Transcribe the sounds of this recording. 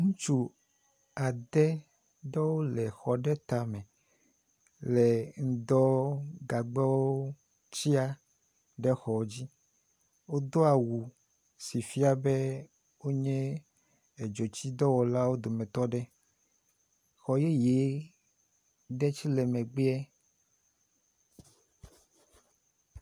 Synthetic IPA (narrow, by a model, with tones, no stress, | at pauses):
ŋũ˦t͡ʃu˦ | a˨d̪ɛ˦ | ɖɛ˦wo˦lɛ˨xɔ˨ɖɛ˦t̪a˨mɛ̃˨ | lɛ˨ŋ̩˨d̪ɔ˦ɡa˨ɡ͡bɛ˦wo˦ | t͡ɕi˦a˦ | ɖɛ˦xɔ˨˦d͡ʑi˦ | wo˦d̪o˦a˨wu˨ | si˨fi˦a˨bɛ˦ | wo˦ɲɛ̃˦ | e˨d͡ʒo˨t͡ɕi˦d̪ɔ˦wɔ˨la˦wo˦d̪o˨mɛ̃˨t̪ɔ˦ɖɛ˦ | xɔ˨je˦je˨˦ | ɖɛ˦t͡ɕi˦lɛ˨mɛ̃˨ɡ͡be˦ɛ˦